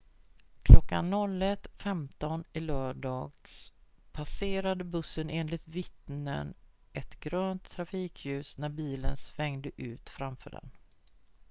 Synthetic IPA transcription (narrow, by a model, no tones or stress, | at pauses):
kʰlɔkːanːɔlːɛt̪fɛmt̪ɔnɪlœːɖɑːɡspʰaseːɾad̪əbɵsːəneːnlɪt̪vɪt̪nə̰n | ʔɛt̪ɡ̥ɾøːnt̪ʰːɾafiːkʰjʉ̟ːsnæɾbiːlə̰nsvɛŋd̪əʔʉ̟̰ːt̪fɾamfœ̰ːɖɛ̰n